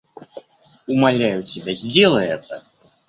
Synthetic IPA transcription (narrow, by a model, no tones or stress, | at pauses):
umalʲːajut͡sʲɛbʲɛzʲd͡zʲɛlˠɐjɛt̪a